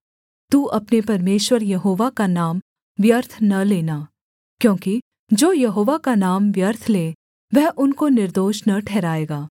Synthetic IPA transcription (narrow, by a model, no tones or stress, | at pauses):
t̪uːʔɐpnepɐɾmeːʃwəɾjɐɦoːʋakanaːm | ʋjɐɾt̪ʰnɐleːnaː | kjõːki | d͡ʒoːjɐɦoːʋakanaːmʋjɐɾt̪ʰleː | ʋɛɦʔʊnkonɪɾd̪oːʃnɐʈʰɛːɾaːeːɡaː